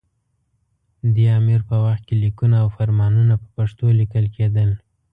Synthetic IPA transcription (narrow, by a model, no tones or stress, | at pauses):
d̪əɑmiɾpəwaxt̪̚kelikunaːwfaɾmɑnunapəpaʂt̪olikəlked̪əl